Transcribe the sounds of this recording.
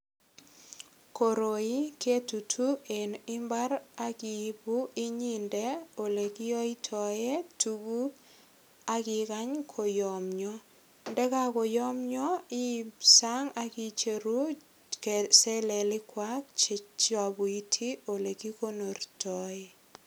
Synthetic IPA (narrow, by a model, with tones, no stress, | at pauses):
ko˨ɾo˨i˦ke˦tu˨tʰu˦e˨nɪ˦mba˦ɾa˦ki˨bu˦i˦ɲi˦nde˦o˨le˨ki˦jo˦i˦tʰɔ˨je˦tuɡu˦ | a˦kɪ˨ka˦ɲkʰo˨jɔ˨mɲɔ˦ | ndɛ˦ka˦ko˨jɔ˦mɲɔ˦ɪ˦sa˦ŋa˦ki˦t͡ʃe˨ɾu˦ | kese˦le˨lɪ˦kwa˦k̚t͡ʃt͡ʃa˨bu˨i˦tʰi˦o˨le˨ki˦ko˦no˨rtɔ˨e˦